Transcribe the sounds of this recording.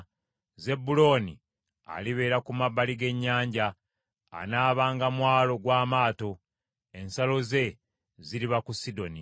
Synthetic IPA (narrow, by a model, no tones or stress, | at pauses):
ze̞bulo̞nḭ | a̰liβe̞ːɾakumaβːaliɡe̞ɲːaːɲɟa̰ː | naːβaːŋɡamwaːlo̞ɡwaːmaːto̞ | e̞nsalo̞ze̞ | ziɾiβakusido̞ni